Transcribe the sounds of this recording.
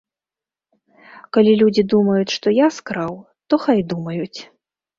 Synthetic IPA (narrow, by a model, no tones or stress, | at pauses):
kalʲilʲud͡zʲid̪umɐjut͡sʲʂt̪ɔjaskɾaw | t̪ɔxajd̪umɐjut͡sʲ